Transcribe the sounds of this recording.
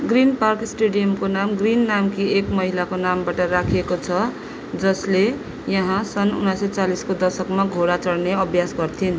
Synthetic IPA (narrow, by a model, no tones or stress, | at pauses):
ɡrinparksʈeɽijʌmkonamɡrinːamkiekmʌɦilakonambaʈʌrakʰiekot͡sʰʌ | d͡zʌsle | jʌɦãsʌnṵnasʌt͡saliskod̪ʌrsʌkmaɡʱoɽat͡sʌɽneʌbʱjasɡʌrt̪ʰin